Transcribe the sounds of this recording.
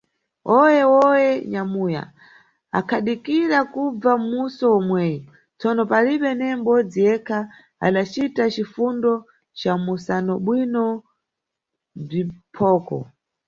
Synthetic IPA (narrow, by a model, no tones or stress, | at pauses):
ɔjɛwɔjɛɲamuja̰ | a̰kʰaɗikiɾakub͡vamusɔɔmwɛːjɔ | t͡sɔnɔpaliɓɛnɛmbɔd͡zijɛkʰa | a̰ɗat͡ʃitat͡ʃifundɔ | t͡ʃamusanɔɓwinɔ | b͡ʐipʰɔːkɔ̰